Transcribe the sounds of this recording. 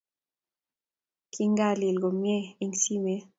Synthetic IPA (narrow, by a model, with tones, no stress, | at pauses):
kʰi˦ŋɡa˦li˨lɡo˨mjɛ˦i˨ŋsi˦me˨